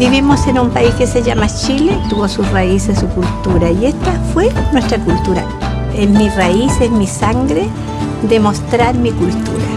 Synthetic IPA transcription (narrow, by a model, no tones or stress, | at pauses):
biβimosenumpaiskeseʝamat͡ʃilet̪uβosusraisessukult̪uɾaiest̪afwenwest̪ɾakult̪uɾa̰ | esmiraisesmisaŋɡɾe | d̪emost̪ɾaɾmikult̪uɾa